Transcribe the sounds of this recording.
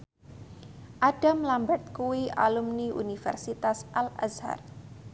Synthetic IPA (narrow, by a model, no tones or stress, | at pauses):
ʔaɖ̥amlambɛt̪̚kuwiʔa̰lumniʔṵnifɛ̰rsit̪asʔala̰sha̰r